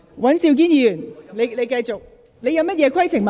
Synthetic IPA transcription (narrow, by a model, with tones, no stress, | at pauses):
wɐ˨˥nsiː˧wk̬iː˥njiː˧jyː˨˩nle˨˧jle˧jkɐ˧jt͡sʊ˨k̚ | le˨˧jɐ˧wmɐ˥t̚jɛː˨˧kʰɐ˥jt͡sʰɪ˨˩ŋma˨